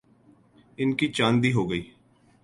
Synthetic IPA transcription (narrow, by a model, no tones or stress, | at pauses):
ɪnkiːt͡ʃãːnd̪iːɦoːɡəiː